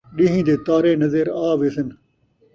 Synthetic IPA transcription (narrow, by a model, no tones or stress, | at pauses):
ɗiɦĩːd̪eːt̪aːɾeːnəzəɾaːʋeːsən